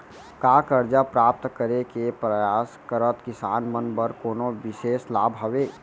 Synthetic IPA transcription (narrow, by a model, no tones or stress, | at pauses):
kakəɾd͡ʒapɾaːp̚t̪kəɾekepɾəjaːskəɾət̪kɪsaːnmənbəɾkoːnoʋɪʃeːslaːbɦəʋeː